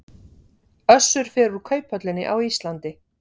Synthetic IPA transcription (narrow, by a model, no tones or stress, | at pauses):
œsːʏɾ̥fɛːɾʏɾkʰœːɥpʰœt̪lɪnːɪ̰ʔawist̪lant̪ɪ